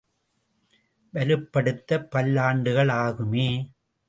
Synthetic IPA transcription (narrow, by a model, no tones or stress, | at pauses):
ʋɐlɯpːɐɽɯt̪ːɐpːɐlːaːɳɖɯɣɐɭaːɣɯmeː